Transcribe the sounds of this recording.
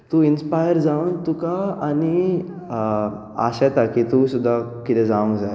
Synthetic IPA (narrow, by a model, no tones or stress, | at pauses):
t̪uinspajəɾd͡zaʋənt̪ukaːni | a̰ɕat̪akit̪usud̪ʱːakit̪ɛd͡zaʋə̃ŋɡd͡zaj